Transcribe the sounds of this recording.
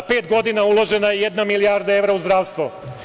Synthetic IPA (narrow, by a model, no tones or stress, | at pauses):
pe̞ːt̪ɡo̞d̪inaulˠo̞ʒe̞najejed̪namilijaːɾd̪ae̞ʋɾauzd̪ɾaːʋst̪ʋo